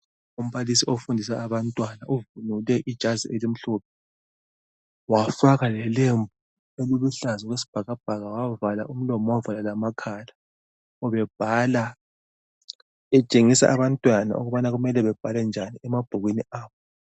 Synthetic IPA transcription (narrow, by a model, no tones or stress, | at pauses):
um̩βalisiofundʱisaːβantʼwanauvunulɛʔid̥ʒ̥ʱazḭelim̩ɬɔːp̚ʰɛ | wafaɣalɛlembʱu | eluβuɬazɔɣwesi̥b̥ʱaɣab̥ʱaɣawavala̰ʔum̩lɔmɔwavalalamakʰaːla | ɔβɛb̥̚ʱala | ɛt͡ʃʼeŋisa̰ʔaβantʼwana̰ʔṵɣuβanaɣumɛlɛβɛb̥ʱalɛnd͡ʒʱaniɛmab̥ʱoɣwiniaːβɔ